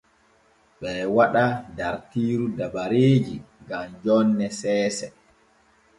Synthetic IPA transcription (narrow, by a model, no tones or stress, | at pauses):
ɓɛwaɗadaɾtiːɾudabaɾeːd͡ʒi | ɡamd͡ʒɔnːɛsɛːsɛ